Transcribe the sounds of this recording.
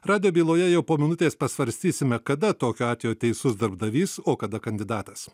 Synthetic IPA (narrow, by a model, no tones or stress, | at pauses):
ɾɑːd̪ʲɪjoːbʲiːlˠoːjɛjɛʊpoːmʲɪnʊt̪ʲeːspɐsʋɐɾʲsʲt̪ʲiːsʲɪmʲɛkɐd̪ɐt̪oːkʲoːɑːt̪ʲejoːt̪ʲɛɪsʊsd̪ɐɾbd̪ɐʋʲiːsoːkɐd̪ɐkɐnʲd̪ʲɪd̪ɑːt̪ɐs